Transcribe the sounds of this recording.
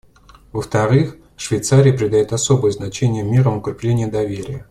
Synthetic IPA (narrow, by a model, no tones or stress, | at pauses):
vəft̪ɐɾɨx | ʂvʲɪjt̪saɾʲɪjəpɾʲɪd̪ɐjot̪ɐso̞bəjəznɐt͡ɕenʲɪjəmʲeɾəmʊkɾʲɪplʲenʲɪjəd̪ɐvʲeɾʲɪjə